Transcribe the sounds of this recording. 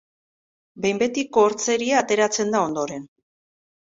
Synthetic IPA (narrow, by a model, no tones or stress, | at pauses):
be̞jmbe̞t̪ikoːɾt͡se̞ɾiaːt̪e̞ɾat͡se̞nd̪ao̞nd̪o̞ɾe̞n